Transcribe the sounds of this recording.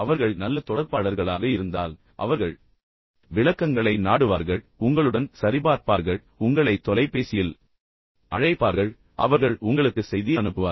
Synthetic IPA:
ɐʋɐɾɣɐɭnɐlːɐt̪ɔɽɐɾpaːɽɐɾɣɐɭaːɣɐɪɾɯnd̪a̰ːl | ʔɐ̰ʋɐɾɣɐɭ | ʋɪɭɐkːɐŋɡɐɭɐɪnaːɽɯʋaːɾɣɐɭ | ʊŋɡɐɭɯɽɐnsɐɾɪbaːɾpaːɾɣɐɭ | ʊŋɡɐɭɐɪt̪ːɔlɐɪpːeːsɪjɪl | ʔɐɻɐɪpːaːɾɣɐɭ | ʔɐ̰ʋɐɾɣɐɭʊŋɡɐɭɯkːɯsɛjðɪjɐnɯpːɯʋaː

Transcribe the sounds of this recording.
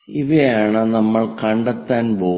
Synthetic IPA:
iʋɐjaːɳɨnɐmːɐɭkɐɳɖɐt̪ːaːnbo̞ː

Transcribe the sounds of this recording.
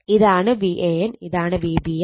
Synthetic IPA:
iðaːɳɨbiʔeːniðaːɳɨʋiːbi

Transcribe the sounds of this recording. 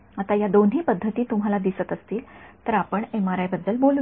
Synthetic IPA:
at̪ajad̪onɦiːpəd̪ʱːət̪iːt̪umɦalad̪isət̪əst̪iːlt̪əɾapəɳemaɾajbəd̪ːəlbolu

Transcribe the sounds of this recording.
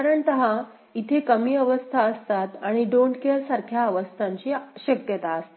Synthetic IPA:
kaɾəɳt̪əɦã | it̪ʰekəmiːəʋəst̪ʰaəst̪at̪aɽ̃iɖoɳʈkeɾsaɾkʰjaːʋəst̪ʰaɲt͡ɕiːɕəkjət̪aəst̪e

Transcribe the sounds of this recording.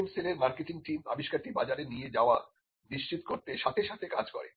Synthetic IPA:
mseleɾmaɾkeʈiŋʈima̰biʃkaɾʈibad͡ʑaɾenijed͡ʑaoa | niʃt͡ɕit̪koɾt̪eʃat̪ʰeʃat̪ʰekad͡ʑkɔ̰ɾḛ

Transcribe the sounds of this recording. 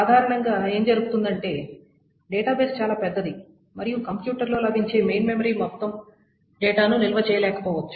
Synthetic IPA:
saːd̪ʱaːɾɐɳɐŋɡaːe̞ːmd͡ʒɐɾuɡut̪und̪ɐɳʈe̞ː | ɖɛːʈaːbeːst͡ʃaːlaːpɛd̪ːɐd̪i | mɐɾijukɐmpjuːʈɐɾlo̞ːlɐbʱiɲt͡ʃe̞ːmejnmemɐɾiːmɔt̪ːɐm | ɖɛːʈaːnunilɐʋɐt͡ʃɛːjɐlɛːkɐ̥pɔːʋɐt͡ʃːu̥

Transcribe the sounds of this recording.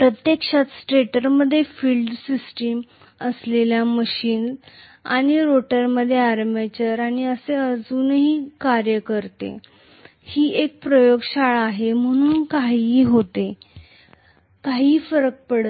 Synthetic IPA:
pɾət̪jəkʂat̪sʈɾeʈəɾməd̪ʱːjefiːlɖsisʈim | əsleljaməɕiːns | a̰ɽ̃iɾoʈəɾməd̪ʱːjeaɾmet͡ɕəɾaɽ̃iəseəd͡zuːnɦiːkaɾjəkəɾt̪ḛ | hiːʔek̚pɾəjoɡɕaɭːɦem̤əɽ̃uːnkaɦiːɦot̪e | kaɦiːfəɾək̚pəɽə

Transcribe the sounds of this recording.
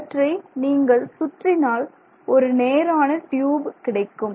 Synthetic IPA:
ʈrɐniːŋɡɐɭsʊʈrɪnaːl | ɔɾɯneːɾaːnɐʈjuːbkɪɽɐɪkːɯm

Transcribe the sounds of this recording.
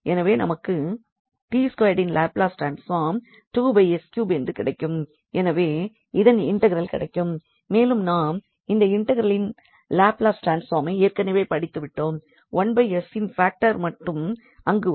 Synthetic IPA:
ɛnɐʋeːnɐ̰mɐkːɯ | ʈiːskoːjɖɪnlaːplaːsʈɾaːnsfaːɾm | ʈuːbɐɪɛskjuːbɛndrɯkɪɽɐɪkːɯm | ɛnɐʋeː | ɪðɐnɪɳʈɐɣɐɾɐlkɪ̰ɽɐɪkːɯmː | eːlɯmnaːm | ɪnd̪ɐɪɳʈːɐɣɐɾɐlɪn | laːplaːsʈɾaːnsfaːɾmɐɪeːɾkɐnɐɪʋeɪpɐɽɪt̪ːɯʋɪʈːoːm | ʋɐnbɐɪɛsɪnfaːk̚ʈɐɾmɐʈːɯm | ɐŋɡɯ

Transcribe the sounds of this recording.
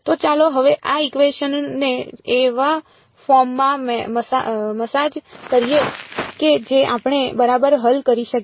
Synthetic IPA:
t̪ot͡ʃaloɦəʋeʔaikʋeʃənːeːʋa | fɔɾmːãmeməsaməsad͡ʒkəɾijeked͡ʒeʔapɳ̃ebəɾabəɾɦəlkəɾiʃək

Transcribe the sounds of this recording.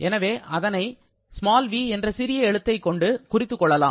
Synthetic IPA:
ʔɛnɐʋeːʔɐðɐnɐɪ | smaːlʋiːɛndrɐsɪɾɪjɐɛɻɯt̪ːɐɪkːɔɳɖɯkʊrɪt̪ːɯkːɔɭːɐlaː

